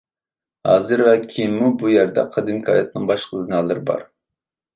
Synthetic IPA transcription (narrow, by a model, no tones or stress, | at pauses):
hɑ̰ːzɨɾvɛkʲʰijmːubujæɾd̪ɛ̰qʰəd̪ɨmkʰɑːjɑt̪̚nɨŋbɑʃqʰəzɨnɑːlˠɨɾɨbɑ̰ɾ